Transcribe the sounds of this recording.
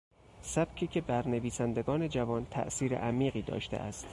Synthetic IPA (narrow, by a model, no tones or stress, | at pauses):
sæb̥cʲʰiːcʰe̞bæɾneviːsænd̪e̞ɡɒːne̞d͡ʒævɒːnt̪ʰæ̰ʔsiːɾḛʔæmiːɢiːd̪ɒ̰ːʃt̪ʰḛʔæ̰st̪